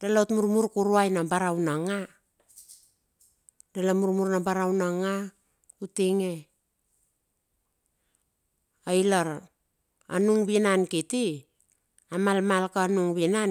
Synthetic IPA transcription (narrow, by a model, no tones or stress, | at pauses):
d̥alaotmuɾmuɾkuɾuajnabaɾawnaŋa | dalamuɾmuɾnabaɾawnaŋa | utiŋe̞ | ajlaɾ | a̰nuŋβinankiti | amalmalkanuŋβina